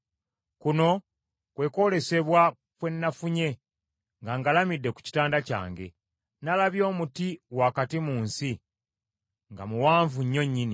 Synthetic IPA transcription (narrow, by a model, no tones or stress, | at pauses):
kuno̞ | kwe̞ko̞le̞se̞βwa | kwe̞nːafuɲe̞ | ŋɡaŋɡalamidːe̞ku̥ci̥taːndaca̰ːŋɡe̞̰ | nalaβjo̞ːmutiwakatimuːnsi | ŋɡa̰muwaːɱvuɲːo̞ɲːini